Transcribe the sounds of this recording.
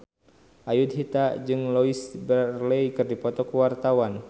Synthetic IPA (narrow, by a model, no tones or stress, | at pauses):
ʔajud̪̚ɦit̪ad͡ʒɨŋloisbərleikɨrdipɔt̪ɔkuwart̪awan